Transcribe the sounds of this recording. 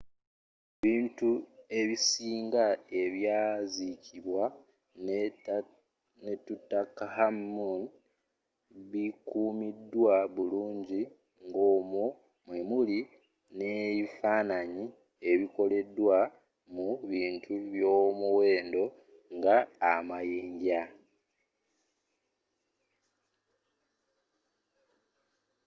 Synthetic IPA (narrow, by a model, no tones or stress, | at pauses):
βiːntue̞βisiːŋɡae̞βjazicʰiβwa | netutːakahamːun | βikuːmidːwaβuluːɲɟi | ŋɡoːmo | mwemuli | ne̞βifaːnaɲi | e̞βiko̞le̞dːwa | muβiːntʰuβjo̞ːmuwe̞ːndo̞ | ŋɡaːmajiːɲɟa